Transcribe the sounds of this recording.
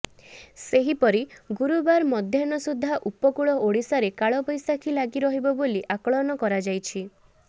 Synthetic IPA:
seɦipɔɾiɡuɾubaɾmɔd̪ʱjɔnɔsud̪ʱːaʔupɔkuɭɔoɽisaɾekaɭɔbɔjsakʰilaɡiɾɔɦibɔboliʔakɔɭɔnɔkɔɾad͡ʒajt͡ʃʰi

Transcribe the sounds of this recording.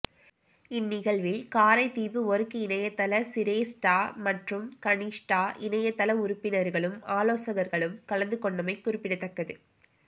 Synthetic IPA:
ɪnːɪɣɐɭʋɪlkaːɾɐɪt̪ːiːʋɯɔɾɯkːɯɪnɐjɐt̪ːɐlɐsɪɾeːsʈaːmɐʈrɯmkɐnisʈaːʔɪnɐjɐt̪ːɐlɐʊɾʊpːɪnɐɾɣɐɭɯmaːloːsɐɣɐɾɣɐɭɯmkɐɭɐnd̪ɯkɔɳːɐmɐɪkːʊɾɪpːɪɽɐt̪ːɐkːɐðɯ

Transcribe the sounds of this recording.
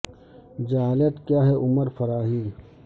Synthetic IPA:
d͡ʒaaːlət̪kjaːɦɛʔʊməɾfɐɾaːɦiː

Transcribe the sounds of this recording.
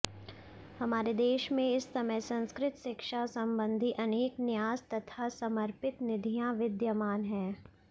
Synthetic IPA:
hɐmaːɾed̪eːʃmẽɪsːɐməjsɐ̃nskɾɪt̪ʃɪkʃasɐ̃mbə̃nd̪ʱiʔɐneːknɪjaːzt̪ɐt̪ʰasɐməɾpɪt̪nɪd̪ʱijãʋɪd̪jəmaːnɦɛː

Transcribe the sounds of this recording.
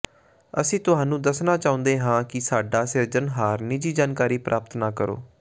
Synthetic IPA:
əsĩːt̪ʊɦaːnũːd̪əsnaːt͡ʃaːʊ̃nd̪eːɦãːkɪsaːɖaːsɪɾd͡ʒənɦaːɾnɪd͡ʒiːd͡ʒaːnkaːɾiːpɾʔaːp̚t̪naːkəɾo̰ː

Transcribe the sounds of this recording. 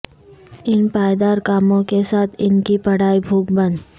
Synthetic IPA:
ɪnpaːjd̪aːɾkaːmõkesaːt̪ʰɪnkipɐɽ̤aːibʱuːk̚bɐ̃nd̪

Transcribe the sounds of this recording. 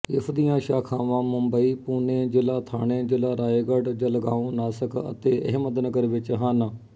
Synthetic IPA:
ɪfd̪ijãːʃaːkʰãːʋãːmʊmbəiːpuːnẽːd͡ʒɪlaːt̪ʰa̰ːɽ̃ẽːd͡ʒɪlaːɾaːeɡəɖd͡ʒəlɡãːõːnaːsəkʰə̰t̪eːʔə̰ɦmət̪nəɡəɾʋɪt͡ʃɦaːnə

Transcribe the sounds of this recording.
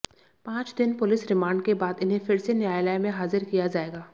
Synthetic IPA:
pãːt͡ʃd̪ɪnpʊlɪsɾɪmãːɳɖkebaːd̪ɪnɦẽfɪɾsenjaːjlaːjmẽɦaːzɪɾkijad͡ʒaːeːɡaː

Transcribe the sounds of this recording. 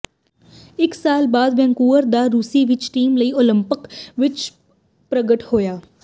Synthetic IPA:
ɪksaːlbaːd̪ʋɛ̃ŋkuːəɾd̪aɾuːsiʋɪt͡ʃʈiːmlɐiːolə̃mpɪkʋɪt͡ʃ | pɾəɡəʈhoːjaː

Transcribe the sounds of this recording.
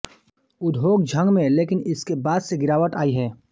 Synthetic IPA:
ʊd̪ʱɦoːɡ̚d͡ʒʱə̃ŋɡmẽleːkɪnɪskebaːd̪seɡɪɾaːʋət̪aːiɦɛː

